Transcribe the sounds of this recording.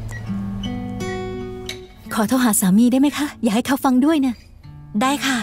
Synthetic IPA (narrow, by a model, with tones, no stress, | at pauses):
kʰɔː˩˦t̪ʰa˧wɦaː˩˦saː˩˦miː˧da˥˩jma˥jkʰa˦˥jaː˨˩k̚ha˥˩jkʰa˥˩wfa˧ŋdu˥˩əjna˦˥˩ | daː˥˩jkʰa˥˩